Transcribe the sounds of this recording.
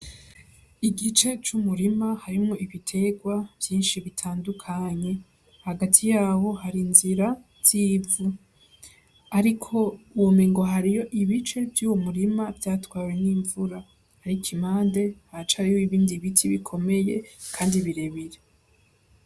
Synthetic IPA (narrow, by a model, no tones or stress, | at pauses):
iɡit͡ʃe̞t͡ʃumuɾimahaɾimŋo̞ʔiβitʰe̞ɡwav̥jiːnʃiβitʰaːndukʰaɲe̞ | haɡatʰijaːwo̞haɾinziɾa | z̥iːvu | aɾikʰo̞womeŋɡo̞ɦaɾijo̞ʔiβit͡ʃe̞vjuːwo̞muɾimavjaːtwaːwe̞niːɱvuɾa | haɾikʰimaːnde̞hat͡ʃaɾihoiβiːndiβitʰiβikʰo̞me̞je̞kʰaːndiβiɾeβiɾe